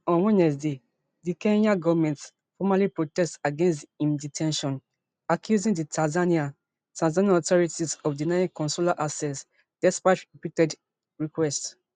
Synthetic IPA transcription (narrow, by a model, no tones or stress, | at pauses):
ɔ̃nwɔ̃nɛsde | dikɛ̃naɡɔvamɛ̃nts | fɔmalipɹotɛstaɡɛ̃nstĩmditʰɛ̃nʃɔ̃n | akʰjuzĩŋditʰazania | tãnzãniaɔtʰɔɹitizɔfdinaɪĩŋkɔ̃nsulaʔasɛs | d̥ɛspaɪtɹipitɛd | ɹikwɛst